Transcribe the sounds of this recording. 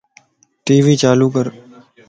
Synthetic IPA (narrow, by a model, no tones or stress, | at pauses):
ʈiːʋiːt͡ʃaːluːk̬əɾ